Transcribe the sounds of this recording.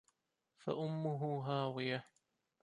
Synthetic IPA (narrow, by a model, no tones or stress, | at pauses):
fa̰ʔʊmːʊɦʊɦaːwɪja